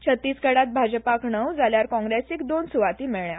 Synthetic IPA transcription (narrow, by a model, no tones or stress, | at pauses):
t͡ɕʰət̪ːiːskəɽat̪̚bʱad͡ʑpakɳəwd͡zaljaɾkɔ̃ŋɡɾesekd̪onsuʋat̪iːmeɭja